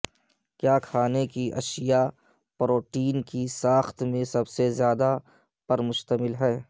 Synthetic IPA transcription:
kjaːkʰaːnekiʔɐ̰ʃija | pɾoːʈiːnkisaːxt̪mẽsɐbsezjaːd̪a | pɐɾmʊʃt̪əmɪlɦɛː

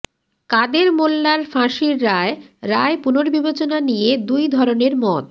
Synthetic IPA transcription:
kad̪eɾmolːaɾfʰãʃiɾːaeɾaepunoɾbibat͡ɕonanijed̪ujd̪ʱɔɾoneɾmɔt̪̚

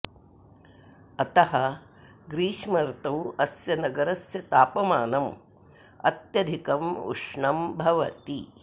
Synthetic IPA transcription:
ɐt̪ɐɦɐ̆ | ɡɾiːʃmɐɾt̪ɐwɐsjɐnɐɡɐɾɐsjɐt̪aːpɐmaːnɐm | ɐ̰t̪jɐd̪ʱikɐmṵʂɳɐmbʱɐʋɐt̪i

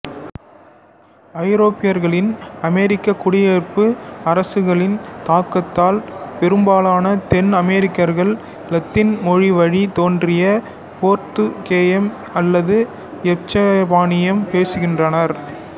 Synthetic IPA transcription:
ɐɪɾoːpːɪjɐɾɣɐɭɪnɐmɛɾɪkːɐkːʊɽɪjeːɾpɯɐɾɐsɯɣɐɭɪnt̪aːkːɐt̪ːaːlpɛɾɯmbaːlaːnɐt̪ɛnɐmɛɾɪkːɐɾɣɐɭ | lɐt̪ːɪnmɔɻiʋɐɻit̪oːndrɪjɐ | poːɾt̪ɯkeːjɐm | ɐlːɐðɯ | ɛt͡ʃːɐʋaːnɪjɐmpeːsɯɣɪndrɐnɐɾ

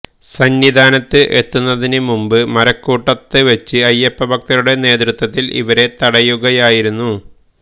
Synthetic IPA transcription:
sɐnːid̪ʱaːnɐt̪ːɨʔe̞t̪ːunːɐðinɨmumbɨmɐɾɐkːuːʈːɐt̪ːɨʋɐt͡ɕːɨɐjːepːɐbʱɐk̚t̪ɐɾuɽe̞ne̞ːd̪rɨt̪wɐt̪ːilʔḭʋɐɾe̞t̪ɐɽɐjuɣɐjaːjiɾunːu

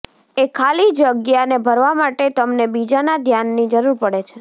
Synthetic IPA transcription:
ekʰalid͡ʒəɡjanebʱəɾʋamaʈet̪əmnebid͡ʒanad̪ʱjanːid͡ʒəɾuɾpəɽet͡ʃʰe

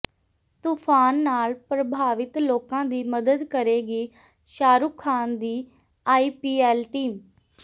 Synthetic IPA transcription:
t̪uːpʰaːnːaːlpɾəbʱaːʋɪt̪loːkãːd̪iːməd̪əd̪kəɾeːɡiː | ʃaːɾuːkʰːaːnd̪iː | aːiːpiːɛːlʈiːm

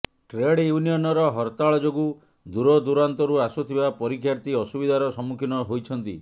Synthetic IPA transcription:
ʈɾeɽjunijɔnɔɾɔɦɔɾt̪aɭɔd͡ʒoɡu | d̪uɾɔd̪uɾant̪ɔɾuasut̪ʰibapɔɾikʰjaɾt̪iɔsubid̪ʱaɾɔsɔmːukʰinɔɦojt͡ʃʰɔnt̪ḭ

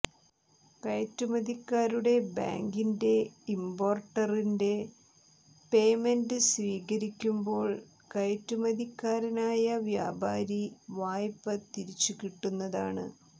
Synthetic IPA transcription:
kɐjtːumɐd̪ikːaːɾuɽe̞ba̰ːŋɡinde̞imbo̞ːrʈːɐrinde̞ | pe̞ːmendɨsʋiːɣɐɾikʲːumbo̞ːɭ | kɐjtːumɐðikːaːɾɐnaːjɐʋja̰ːbaːɾiʋaːjpːɐt̪iɾit͡ɕːukiʈːunːɐðaːɳɨ̰

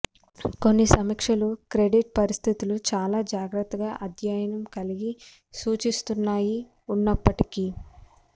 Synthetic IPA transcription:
ko̞nːisɐmɐkʂɐlukɾe̞ɖiʈ̚pɐɾist̪ʰit̪ulut͡ʃaːlaːd͡ʒaːɡɾɐt̪ːɐɡaːʔɐd̪ʱjaːjɐnɐmkɐliɡi | suːt͡ʃist̪unːaːji | unːɐpːɐʈikiː

